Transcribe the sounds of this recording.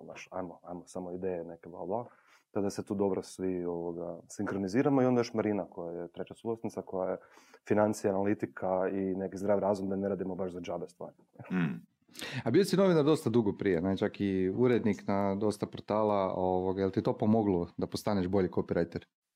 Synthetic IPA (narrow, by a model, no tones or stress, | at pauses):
na̰ʃa̰jmoajmosamoid̪ejenekebla̰lblˠa | t̪ad̪aset̪uːd̪o̞bɾosʋioʋoɡasiŋkxɾoniziːɾamoio̞nd̪ajoʃmaɾinakojajet̪ɾet͡ɕasuɡlasnit̪sako̞jajefinant̪sijanalit̪ikʰainekizd̪ɾaːʋɾaːzumd̪aneɾaːd̪imobaʃzad͡ʒabest̪ʋa̰ːɾi | abijosino̞ʋinaɾd̪o̞st̪ad̪uɡopɾijenɛt͡ʃakiuɾed̪niknad̪o̞st̪apo̞ɾt̪aːlaoʋoɡajelt̪it̪o̞ːpomoɡlod̪apost̪aneʒbo̞ʎikopiɾajt̪eɾ